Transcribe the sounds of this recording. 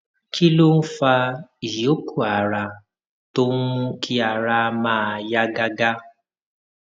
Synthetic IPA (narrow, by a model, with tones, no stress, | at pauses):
kʰi˦lo˦n̩˦fa˧i˨jo˨˦ku˦˨a˨ɾa˧ | to˦n̩˦kʰi˦a˨ɾa˧mãː˦˨˧ja˦ɡa˦ɡa˦